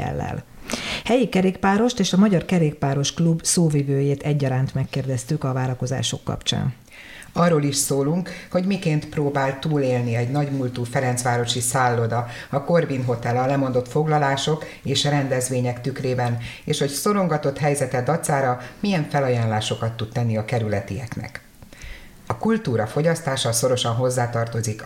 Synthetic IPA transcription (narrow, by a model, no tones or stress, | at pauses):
ɛ̰lːɛ̰lhɛjikɛɾeːkpaːɾo̞ʃt̪eːʃɒmɒɟɒrkɛɾeːk̚paːɾo̞ʃklubsoːvivøːjeːt̪ɛɟːɒɾaːnt̪mɛkːeːrd̪ɛst̪ykɒvaːɾɒko̞za̰ːʃo̞̰kːɒ̰pt͡ʃa̰ːn | ɒrːoliʃsoːluŋkho̞ɟmikeːnt̪proːbaːltt̪uːleːlniɛɟnɒɟmult̪uːfɛɾɛnt̪sʋaːɾo̞ʃisaːlːod̪ɒ | ɒko̞rbinɦo̞t̪ɛlɒlɛmo̞nd̪o̞t̪fo̞ɡlɒlaːʃo̞k | eːʃrɛnd̪ɛzʋeːɲɛkt̪ykreːbɛneːʃho̞cso̞lo̞ŋɡɒt̪o̞t̪ɦɛjzɛt̪ɛɒt̪saːɾɒmijɛɱfɛlɒjaːnlaːʃo̞kɒt̪ːut̪̚t̪ɛnːiɒkɛɾylɛt̪ijɛknɛ̰k | ɒkult̪uːɾɒfo̞ɟɒst̪aːʃɒso̞ɾo̞ʃɒnɦo̞zːaːt̪ɒrt̪o̞zik